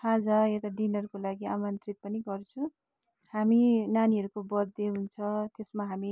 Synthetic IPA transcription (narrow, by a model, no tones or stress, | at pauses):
kʰãd͡zaet̪aɖinʌrkolaɡiamʌnt̪rit̪̚pʌniɡʌrt͡sʰũ | haminaniɦʌɾukobʌd̪eɦunt͡sʰʌt̪esmaɦami